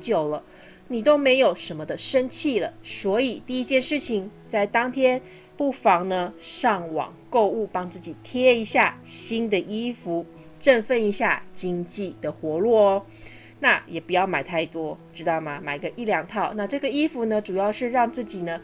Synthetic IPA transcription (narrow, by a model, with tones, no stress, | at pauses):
t͡ɕjo˨˩ʊlə˦ | ni˨˩t̪o˥ʊme˧˥ɪjo˨˩ʊʂə˧˥nmə˧d̪ə˨ʂə˥nt͡ɕʰi˥˩lə˩swɔ˧˥i˨˩t̪i˥˩i˥t͡ɕjɛ˥˧nʂɻ̩˥˩t͡ɕʰi˨˩ŋt͡sa˥˩ɪt̪ɑ˥ŋt̪ʰjɛ˥n | pu˥˩fɑ˧˥ŋnə˧ʂɑ˥˩ŋwɑ̰˨˩ŋko˥˧ʊu˥˩pɑ˥ŋt͡sɹ̩˥˩t͡ɕi˨˩t̪ʰjɛ˥i˧˥ɕja˥˩ɕi˥nd̪ə˨ʔi˥fu˧˥˦ | ʈ͡ʂə˥˧nfə˥˩ni˧˥ɕja˥˩t͡ɕi˥ŋt͡ɕi˥˩d̪̥ə˩xwɔ˧˥lwɔ˥˩ | na˥˩jɛ˨˩pu˧˦jɑ˥˩ʊma˨˩ɪt̪ʰa˥˩ɪt̪wɔ˥ʈ͡ʂɻ̩˥t̪ɑ˥˩ʊmɐ˩ma˨˩ɪ˧˦ɡə˧ʔi˥˩ljɑ˨˩ŋt̪ʰɑ˥˩ʊna˥˧ʈ͡ʂɤ˥˩ɡə˩i˥fu˧˥nə˧ʈ͡ʂu˨˩jɑ˥˧ʊʂɻ̩˥˧ɻɑ˥˧ŋt͡sɹ̩˥˩t͡ɕi˨˩nə˦